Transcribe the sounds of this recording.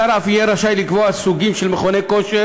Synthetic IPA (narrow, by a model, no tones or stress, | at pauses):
aɾafijeɾaʃajlikvoasuɡimʃelmeχonekoʃe